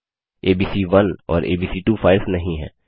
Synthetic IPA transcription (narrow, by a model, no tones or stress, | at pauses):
eːbiːsiʋɐnɔ̰ːɾḛːbiːsiʈuːfaːɪɾsnɐɦĩɦɛ̰̃ː